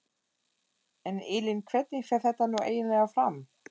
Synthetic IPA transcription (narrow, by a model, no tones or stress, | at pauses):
ɛnɪːlɪnkʰvɛt̪nifɛɾ̥θɛht̪ːanuʔḛːjɪnlɛɣafɾam